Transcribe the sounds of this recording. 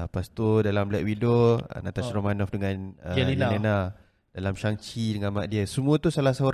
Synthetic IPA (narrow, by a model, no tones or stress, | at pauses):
past̪odalamblɛʔwido̰nat̪aʃɾomanɔfdəŋãnəilena | d̥alamʃaŋt͡ʃidəŋanmaʔ̚diəsəmũət̪usalasaoɾ